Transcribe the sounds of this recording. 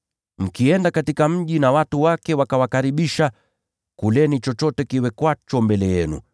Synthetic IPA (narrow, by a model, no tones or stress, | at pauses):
m̩kiɛndakatikam̩ʄinawatuwakɛwakawakaɾiɓiʃa | kulɛnit͡ʃɔt͡ʃɔtɛkiwɛkwat͡ʃɔmbɛlɛjɛnṵ